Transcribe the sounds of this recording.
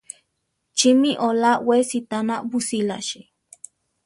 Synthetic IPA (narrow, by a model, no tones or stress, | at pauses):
t͡ʃimiʔolawesit̪anabusilaʃi